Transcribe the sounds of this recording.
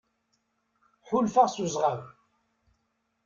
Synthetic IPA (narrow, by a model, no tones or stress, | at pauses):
ħʊlfaʁsuzʁaw